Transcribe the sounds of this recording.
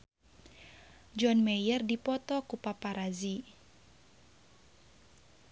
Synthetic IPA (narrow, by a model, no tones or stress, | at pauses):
d͡ʒɔnmɛjərdipɔt̪ɔkupapaɾazi